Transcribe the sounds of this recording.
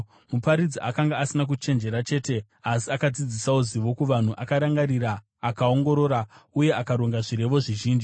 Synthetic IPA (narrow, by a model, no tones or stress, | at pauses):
mupaɾid͡ziʔakaŋɡaːsinak̬ut͡ʃe̞nd͡ʒe̞ɾat͡ʃe̞ːte̞ | asiakad͡zid͡zisauziʋo̞kuʋan̤uʔakaɾaŋɡaɾiɾaː | kao̞ŋɡo̞ɾo̞ɾauje̞akaɾoŋɡaʐiɾe̞ʋo̞ʐiʒiːnd͡ʒi